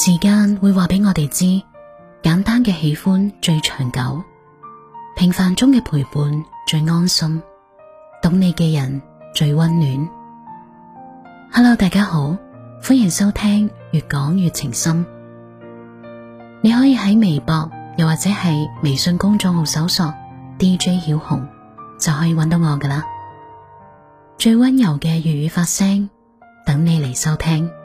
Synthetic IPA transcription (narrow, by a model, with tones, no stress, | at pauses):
siː˨˩kaː˧nwuː˨˧jwaː˨˩pe˨˥jŋɔː˨˧t̪e˨jt͡siː˥ | kaː˨˥nt̪aː˥nkɛː˧he˨˥jfuː˥nt͡ʃɵ˧ɥt͡ʃʰœ̥ː˨˩ŋkɐ˨˥w | pʰɪ˨˩ŋfaː˨˧nt͡ʃʊ˥ŋkɛː˧pʰuː˨˩jpuː˨˧nt͡ʃɵ˧ɥŋɔː˥nsɐ˥m | t̪ʊ˨˥ŋne˨˧jkɛː˧jɐ˨˩nt͡ʃɵ˧ɥwɐ˥nːyː˨˥n | haː˧lo˧wt̪aː˨jkaː˥ho˨˥w | fuː˥njɪ˨˩ŋsɐ˥wt̪ʰɛː˥ŋjyː˨t̚kɔː˨˥ŋjyː˨t̚t͡sʰɪ˨˩ŋsɐ˥m | ne˨˧jɦɔː˨˥jiː˧ɦɐ˨˥jme˨˩jpɔː˧k̚jɐ˨waː˨t̚t͡sɛː˨˥hɐ˨jme˨˩jsɵ˧nkʊ˥ŋt͡ʃɔ˧ŋ̚ho˨˧wsɐ˨˥wsɔː˧k̚t̪iː˥t͡ʃɵ˥hiː˨˥whʊ̰˨˩ŋ | t͡sɐ˨wɦɔː˨˥jiː˧wɐ˨˥nt̪o˨˧wŋɔː˨˧kɛː˧laː˧ | t͡ʃɵ˧ɥwɐ˥njɐ˨˩wkɛː˧jyː˨t̚jyː˨˧faː˧t̚sɛː˥ŋ | t̪ɐ˨˥ŋne˨˧jle˨˩jsɐ˥wt̪ʰɛː˥ŋ